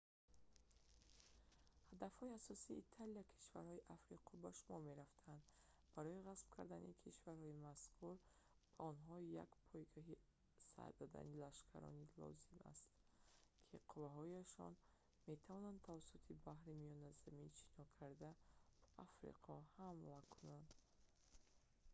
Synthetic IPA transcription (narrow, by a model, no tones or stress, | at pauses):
had̪afhɔiasɔsiːt̪ʰaliakʰi̥ʃvaɾhɔiʔafɾiqʰɔbaʃumɔɾme̞ɾaft̪ʰaand̪ | baɾɔiʁasbkʰaɾd̪anikʰiʃvaɾhɔimaskʰuɾ | b̥aɔnɦɔija̰kpʰɔjɡaɦi | sa̰ɾd̪ɔd̪a̰nilaʃkʰa̰ɾɔ̰nilɔ̰zima̰st̪kʰiqʰuvaɦɔjaʃɔ̰n | me̞t̪ʰavɔnand̪t̪ʰavasut̪ʰibahɾimijɔnazamint͡ʃʰi̥nɔkʰaɾd̪abaʔafɾḭqʰɔhamlakʰunand̪